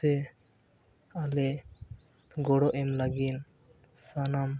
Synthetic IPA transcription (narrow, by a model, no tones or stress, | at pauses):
ɛ | alɛ | ɡɔɽɔʔɛmlaɡin | sanam